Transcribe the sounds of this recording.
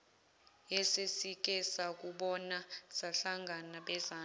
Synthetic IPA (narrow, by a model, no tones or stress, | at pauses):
jɛsesik̬ʼɛsak̬ʼuɓɔnasaɬaŋɡʱanaɓɛzaː